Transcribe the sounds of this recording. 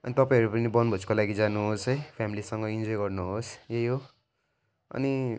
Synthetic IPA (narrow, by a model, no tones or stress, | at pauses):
ʌnit̪ʌpaĩʌɾupʌnibʌnbʌskolaɡid͡zanuɦosɦʌjpʰjamilisʌŋɡʌind͡zojɡʌrnuɦosjejɦo | ʌ̰ni